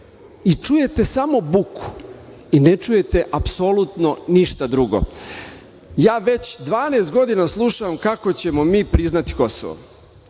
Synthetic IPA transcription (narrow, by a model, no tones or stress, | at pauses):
it͡ʃuje̞t̪e̞samo̞bukʰu̥ | inet͡ʃuje̞t̪e̞ʔapsolut̪no̞niʃt̪ad̪ɾuɡo̰ | jaːʋe̞t͡ɕd̪ʋaːneːst̪ɡo̞d̪inaslˠuʃaʋamkako̞t͡ɕe̞mo̞miːpɾiznat̪i̥ko̞soʋo̰